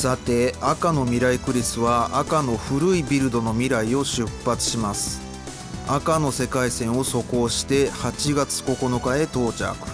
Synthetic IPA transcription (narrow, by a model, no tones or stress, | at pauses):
sat̪e̞akano̞mʲiɾaikɯ̟ɾʲisɨβaakano̞ɸɯ̟ɾɯ̟ibʲiɾɯ̟d̪o̞no̞mʲiɾaio̞ɕɨpːat͡sɨ̥ɕimasɨ̥ | akano̞se̞kaisẽ̞ɰ̃o̞so̞ko̞ːɕi̥t̪e̞hat͡ɕiɡat͡sɨ̥ko̞ko̞no̞kae̞t̪o̞ːt͡ɕa̰kɯ̟̥